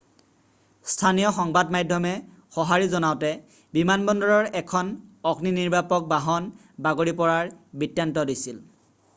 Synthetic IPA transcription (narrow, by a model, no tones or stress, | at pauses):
stʰanijɔxɔŋbadmajdʱːɔmɛ | xɔɦaɹizɔnaʊtɛ | bimanbɔndɔɹɔɹɛkʰɔnɔkniniɹbapɔk̚baɦɔn | baɡoɹipɔɹaɹbitjantɔdisil